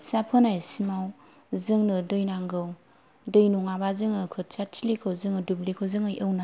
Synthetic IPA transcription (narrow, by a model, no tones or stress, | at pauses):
sapʰɯnajsimaw | zɯŋnɯdɯjnaŋɡɯw | dɯjnuŋabazɯŋnɯkʰɯt̚t͡ʃatʰilikʰawzɯŋɯdublikʰɯwzɯŋɯjɯwna